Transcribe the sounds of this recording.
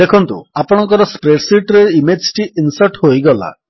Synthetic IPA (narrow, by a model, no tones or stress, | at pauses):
d̪ekʰɔnt̪ṵapɔɽ̃ɔŋkɔɾɔspɾeʈsiɾʈɾeɾimed͡ʒʈiinsɔɾʈɦojɡɔla̰